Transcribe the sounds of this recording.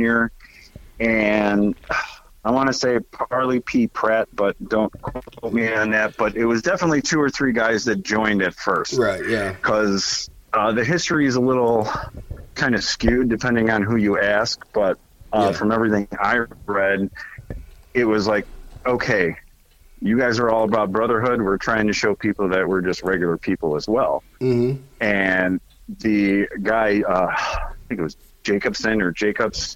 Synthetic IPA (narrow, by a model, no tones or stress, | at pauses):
ə˞ | ɨ̃nʌ | aɪwɑ̃ñɨseɪpʰɑɹˡlˠipʰipʰɹ̥ɛt̚b̥ʌt̚d̥õʊ̃nkʰooʊt̚miɨ̃nðæt̚b̥ʌɾɪt̚wʌzdɛfənətˡlitʰʉə˞θɹiɡaɪzðɨt̚d̥ʒ̥ɔ̃ɪ̃ndɨtfɜ˞sttjækʰʌz | ʌðɨɦɪstɹ̥iɨzəlɪɾl̩ˠ | kʰãɪ̃ndɨ̥skjʉdɨpʰɛ̃ndɪ̃ŋə̃nɦʉjɨæsk̚b̥ʌt̚ | ʌfɹʌ̃mɛvɹiθɪ̃ŋa̰ɪɹɛd | ɪt̚wʌzlaɪk̚oʊkʰeɪ | jɨɡaɪzə˞ɔlˠəbaʊt̚b̥ɹʌðə˞ɦʊd̚wɪɹtʰɹ̥aɪɪ̃ŋtʰɨʃoʊpʰipl̩ˠðɨʔ̚wə˞d͡ʒʌst̚ɹɛɡjl̩ˠə˞pʰipl̩ˠəzwɛl̩ˠ | ɨ̃n | ðɨɡaɪʌaɪθɪ̃ŋkɨt̚wʌz | d͡ʒeɪkɨb̥sɪ̃nə˞d͡ʒeɪkɨbs